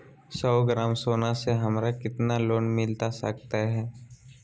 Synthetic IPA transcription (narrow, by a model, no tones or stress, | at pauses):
sɔːɡɾaːmsoːnãseɦɐmɾakɪt̪naloːnmɪlt̪asɐ̰kt̪aɦɛː